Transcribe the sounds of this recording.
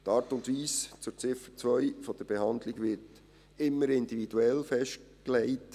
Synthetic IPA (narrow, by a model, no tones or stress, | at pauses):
tɑːɾtʊntʋiːst͡sʊɾt͡sɪfət͡sʋœʏfɔd̥̪əɾb̥ɛhɑndlɪɡʋɪt | ɪmːəɾɪndivid̥uɛlfɛʃtklɛɪt